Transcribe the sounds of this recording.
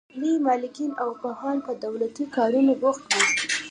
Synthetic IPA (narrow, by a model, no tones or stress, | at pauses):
limɑlɪkinawpahɑnpəd̪awlat̪ikɑɾunoɡʊxt̪wi